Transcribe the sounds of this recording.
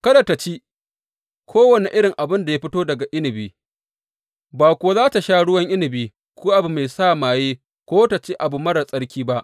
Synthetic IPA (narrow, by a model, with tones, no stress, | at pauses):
kɐ˦da˨ta˨t͡ʃi˦ | kʷʰoː˦wɐ˨ne˨ʔɪ˦ɽɪ˨ŋʔa˨bɪ˦nda˨ja˦ɸɪ˦toː˦dɐ˨ɡa˨ʔɪ˦nɪ˨biː˨ | baː˨kʷːzaː˦ta˨ʃaː˦ɽʊ˦wɐ˦ŋʔɪ˦nɪ˨biː˦ | kʷuː˦ʔa˨bu˨ma˨jsaː˦˨maː˨jeː˦ | kʷoː˦ta˨t͡ʃe˦ʔa˨bu˨mɐ˦ɽɐ˨sʼɐ˦ɽkʲiː˦ba˦ʔ